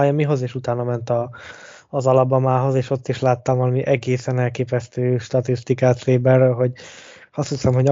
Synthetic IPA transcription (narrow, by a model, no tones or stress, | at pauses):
jɒmiɦo̞zeːʃut̪aːnɒmɛnt̪ɒː | zɒlɒbːɒmaːɦo̞zeːʃo̞t̪ːiʃlaːt̪ːɒmɒmiʔɛɡeːsɛnɛlkeːpɛst̪øːʃt̪ɒt̪ist̪ikaːt̪seːbɛrølɦo̞ɟ | hɒst̪hiksɛmhoɟ